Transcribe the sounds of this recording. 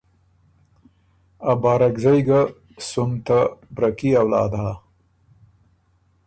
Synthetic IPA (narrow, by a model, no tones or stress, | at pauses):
abɑːɾakzajɡa | sʊmt̪abɾakiawlɑ̰ːd̪a